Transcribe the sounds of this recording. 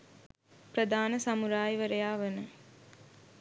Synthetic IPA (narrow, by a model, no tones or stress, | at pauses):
pɾɐd̪ʱaːnəsɐmuɾaːjiʋɐɾɐjaːʋɐnə